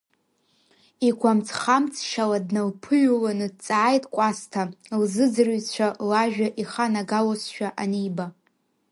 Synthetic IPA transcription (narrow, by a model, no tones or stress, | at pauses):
ikʷʰamt͡sʰχamt͡sʰʼʃaladnalpʰɨʒulanɨdt͡sʼaːjtʼkʷʼastʰalzɨd͡zɨrɥt͡ɕʷʰalaʒᶣaʔiχanaɡalosʃᶣaʔanijba